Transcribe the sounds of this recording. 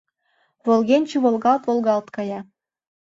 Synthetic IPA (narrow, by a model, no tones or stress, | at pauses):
βolˠɣenʲt͡ɕuβolɣɑlt̪volˠɣɑlt̪kɑjɑ